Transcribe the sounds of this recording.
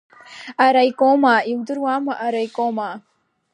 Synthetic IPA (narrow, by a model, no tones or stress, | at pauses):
aɾajkoːmaːiwd̪uɾwaːmaʔaɾajkoːmaː